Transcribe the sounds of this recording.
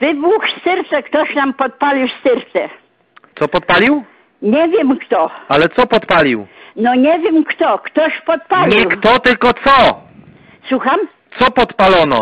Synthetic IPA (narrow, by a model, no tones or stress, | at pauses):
vɘbuxst̪ɛɾt̪sɛkt̪ɔɕnampɔt̪̚palʲiwst̪ɘɾt̪sɛ | t̪sɔpɔt̪̚palʲiw | ɲevʲjɛmkt̪ɔalɛt̪sɔpɔt̪palʲiwnɔɲevʲjɛmkt̪ɔkt̪ɔɕpɔt̪̚palʲiwkt̪ɔt̪ɘlkɔt̪sɔ | swuxam | t̪sɔpɔt̪palɔnɔ̰